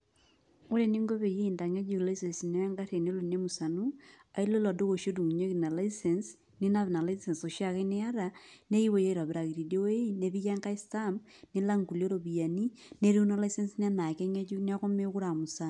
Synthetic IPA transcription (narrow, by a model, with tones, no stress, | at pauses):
o˦ɾe˦ni˦ŋɡo˦βe˨ji˦i˨nda˨ŋe˦d͡ʒu˦˨la˦ise˨nsine˦a˦ŋɡa˦ɾe˨ne˦lo˨ne˦mu˨sa˨nu˦ | a˨i˦lo˦lɔ˨do˦ɣo˨ʃo˦du˨mu˨ɲo˦ki˨na˨la˦ise˨ns | ni˦na˦βna˨laise˨nso˨ʃja˨ɣe˦ne˦a˦ɾa˨ne˦i˦we˨ja˦iɾa˨βe˨ɾa˨ɣi˨ɾi˨do˦we˦i˦ne˦βi˦ja˦ŋɡa˦i˦sta˦mne˦la˦ŋɡu˨lo˦ɾo˨βi˨a˨ni˦ | ne˦ɾu˦na˦la˦i˦se˦nsin˦a˦na˨ke˦ɲe˦t͡ʃu˦n˦a˦ko˦me˦ku˦ɾa˨mu˨sa˦n